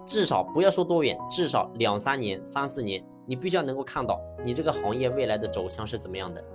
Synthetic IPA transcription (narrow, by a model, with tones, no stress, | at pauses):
ʈ͡ʂɻ̩˥˩ʂɑ˨˩ʊpu˧˥jɑ˥˧ʊʂwɔ˥t̪wɔ˥ɥɛ̰˨˧˩nʈ͡ʂɻ̩˥˩ʂɑ˨˩ʊljɑ˨˩ŋsa˥nnjɛ˧˥nsa˥nsɹ̩˥˩njɛ˧˥n | ni˨˩pi˥˩ɕn˧˥ko˥˧ʊkʰa˥˧nt̪ɑ˥˩ʊni˨˩ʈ͡ʂɤ˥˩ɡə˩xɑ˧˥ŋjɛ˥˧we˥˩ɪla˧˥ɪd̪ə˧ʈ͡ʂo˨˩ʊɕjɑ˥˧ŋʂɻ̩˥˩t͡sə˨˩nmə˦jɑ˥˩ŋd̪ə˩